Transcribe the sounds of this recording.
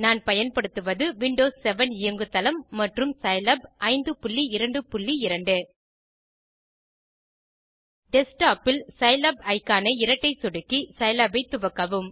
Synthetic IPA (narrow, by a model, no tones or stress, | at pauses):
naːnpɐjɐnpɐɽɯt̪ːɯʋɐðɯʋɪɳɖoːsːɛʋɐnɪjɐŋɡɯt̪ɐlɐmːɐʈrɯmsɐɪlɐbɐɪnd̪ɯpʊɭːiɪɾɐɳɖɯpʊɭːiɪɾɐɳɖɯ | ɖɛsʈaːpɪlsɐɪlɐbɐɪkːaːnɐɪɪɾɐʈːɐɪsɔɽɯkːisɐɪlɐbɐɪt̪ːʊʋɐkːɐʋɯm